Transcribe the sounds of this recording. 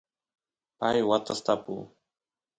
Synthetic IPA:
pajwat̪ast̪apṵ

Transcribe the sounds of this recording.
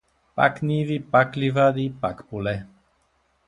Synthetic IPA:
pa̰knivipaklivad̪ipakpulɛ

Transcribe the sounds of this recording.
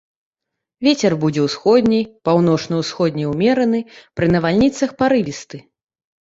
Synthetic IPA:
vʲet͡sʲɛrbud͡zʲɛwsxɔd̪ʲnʲɛjpawn̪ɔt͡ʂnɐwsxɔd̪ʲnʲɛjwmʲɛɾɐnɨpɾɨnɐvalʲnʲit̪sɐxpaɾɨvʲist̪ɨ

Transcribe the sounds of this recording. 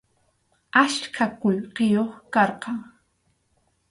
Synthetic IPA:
aʃkʰakʊʎqejoχkɑɾqɑŋ

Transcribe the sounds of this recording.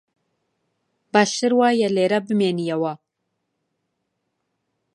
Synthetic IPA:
baːʃɨɾwaːjɛleːɾɐbɨmeːnijɐwɐ

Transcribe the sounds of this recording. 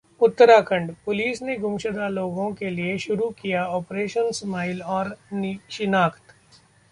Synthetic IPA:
ʊt̪ːəɾakə̃ɳɖpʊliːsneɡʊmʃəd̪aloːɡõkelieʃʊɾukijaɔːpɾeːʃənsmaːɪlɔːɾnʃɪnaːkʰt̪

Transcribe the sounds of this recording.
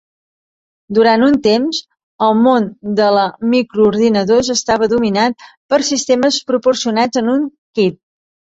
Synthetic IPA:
d̪uɾant̪unt̪emz | əlˠmond̪ələmikɾuːɾðinəðozəst̪aβ̞əðuminat̪̚pəɾsist̪eməspɾupursiunad͡zənuŋkit̪̚

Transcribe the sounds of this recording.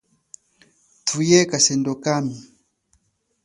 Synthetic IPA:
tʰujɛkasɛndɔkami

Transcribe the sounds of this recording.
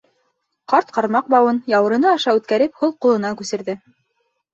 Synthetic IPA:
qɑɾt̪qɑɾmɑq̚bɑwɤnjɑwɤ̆ɾɤ̆nɤɑʃɑʉt̪kæɾɘphulˠqulˠɤ̆nɑkʉsɘ̆ɾðɘ

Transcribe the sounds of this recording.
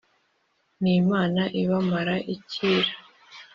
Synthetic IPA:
nimaːnaʔiβamaɾaʔiciːɾḁ

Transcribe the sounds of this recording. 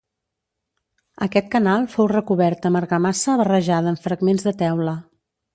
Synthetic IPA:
əkɛt̪̚kənalˠfowrəkuβɛɾt̪əməɾɣəmasəːβərəʒaðəːɱfɾəɡmenzðət̪ɛwlə

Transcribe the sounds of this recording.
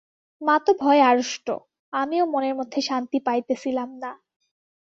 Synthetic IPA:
mat̪obʱɔeaɾoʃʈo̰ | amiomoneɾmod̪ʱːeʃant̪ipajt̪et͡ɕʰilamna

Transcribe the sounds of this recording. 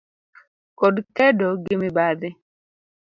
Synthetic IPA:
kodkɛdɔɡɪmɪbaðɪ

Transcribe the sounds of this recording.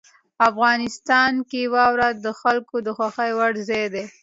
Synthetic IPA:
afɣɑnɪst̪ɑnkewɑwɾad̪əxalkod̪əxwaxajwaɽzed̪e

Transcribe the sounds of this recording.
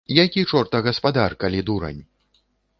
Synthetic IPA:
jakʲit͡ʂɔrt̪ɐɣɐspad̪arkalʲid̪uɾɐ̰nʲ

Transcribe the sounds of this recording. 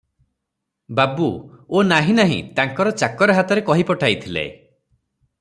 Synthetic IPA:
babuonaɦĩnaɦḭ̃t̪aŋkɔɾɔt͡ʃakɔɾɔɦat̪ɔɾekɔɦipɔʈʰajt̪ʰilḛ

